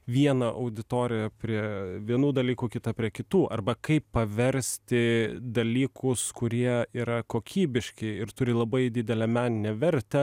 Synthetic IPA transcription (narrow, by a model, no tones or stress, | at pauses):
ʋʲiɛnɐʔɐʊd̪ʲɪt̪oːɾʲɪjɛpʲɾʲiɛʋʲiɛnuːd̪ɐlʲiːkuːkʲɪt̪ɐpʲɾʲiɛkʲɪt̪uːʔɐrbɐkɐɪpːɐʋʲɛɾʲsʲt̪ʲɪd̪ɐlʲiːkʰʊskʊɾʲiɛiːɾɐkoːkʲʰiːbʲɪʃʲkʲɛɪɪɾt̪ʊɾʲɪlˠɐbɐɪd̪ʲɪd̪ʲɛlʲɛmʲæːnʲɪnʲɛʋʲɛɾʲt̪ʲɛ